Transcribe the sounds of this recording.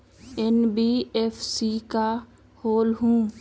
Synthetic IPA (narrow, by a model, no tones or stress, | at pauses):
ɛnbiefʰsika | hoːlɦũː